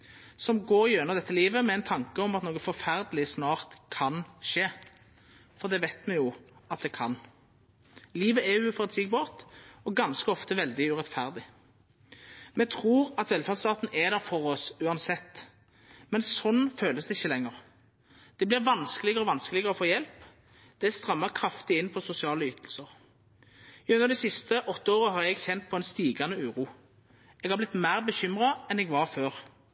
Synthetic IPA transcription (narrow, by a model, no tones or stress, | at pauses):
sɔmɡoːɾɪjœnəʁd̪ɛt̪ːəliːʋəmɛæɪnt̪ʰɑŋkəɔmɑt̪noːɡəfɔɾfæʁd̪əlɪsnɑːʁt̪kʰɑnʃeː | fɔʁd̪ɛʋæɪt̪mɛjʊɑt̪̚d̪ɛkʰɑn | liːʋəɛjʊfɔʁɑt̪siːɡ̚bɑːʁt̪ɔɡɑnskəɔft̪əʋɛld̪ɪʉʁɛt̪fæʁd̪ɪ | mɛt̪ʰʁuːʁɑt̪ʋɛlfæʁd̪st̪ɑːt̪n̩ɛd̪æʁfɔʁɔsʉːɑnsɛt̪ː | mɛnsɔnːføːləsd̪ɛɪçːəlɛŋːəʁ | d̪̥ɛblɪʁʋɑnskəlɪɡəɾɔʋɑnskəlɪɡəɾəɔfoːjɛlp | d̪̥ɛst̪ʁɑmːəʁkʰɾɑft̪ɪɪnːpʰɔsʊsɪɑːləyːt̪ʰəlsəʁ | ʉnːəʁd̪ɛsɪst̪əʔɔt̪ːəoːʁəɦɑʁɛɡçɛnt̪̚pʰɔɛnst̪iːɡɑnəʉːʁuː | ɛɡhɑɾblɪt̪mæʁbəçʏmʁɑɛnɛɡʋɑʁføːʁ